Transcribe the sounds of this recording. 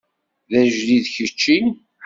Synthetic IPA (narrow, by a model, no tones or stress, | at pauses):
ðæʒliðçət͡ʃːin